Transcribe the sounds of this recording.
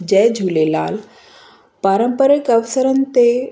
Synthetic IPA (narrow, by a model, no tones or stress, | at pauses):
d͡ʑɛd͡ʑʱulela̰l | paɾəmpəɾəkəʋsəɾənt̪e